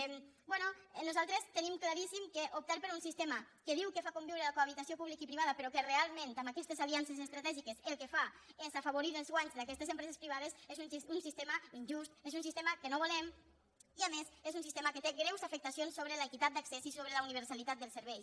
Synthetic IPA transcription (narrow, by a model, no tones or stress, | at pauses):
bwɛnunuzalˠt̪ɾest̪ənimklaɾisimkeʔup̚t̪aɾpəɾunsist̪eməkəðiwkəfakumbiwɾelakoaβ̞it̪asiopuβlikipɾiβaðəpeɾɔkerealˠmẽnt̪amakɛst̪ezaliansezest̪ɾat̪ɛʒikeselˠkefaezafaβoɾiðəlˠzɣwaɲzd̪akɛst̪ezəmpɾɛzespɾiβ̞aðesezununsist̪eməinʲʒust̪ezunsist̪eməkənoβulɛm | iamesezunsist̪eməkət̪eɡɾɛwzafək̚t̪asionsːoβɾələkit̪at̪̚d̪aksesisoβɾələuniβ̞əɾsalit̪at̪̚d̪əlˠsəɾβɛj